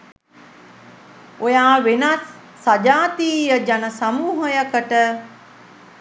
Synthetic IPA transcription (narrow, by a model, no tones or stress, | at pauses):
ojaːʋenasː | ad͡ʒaːt̪iːjəd͡ʒanəsamuːɦəjəkəʈə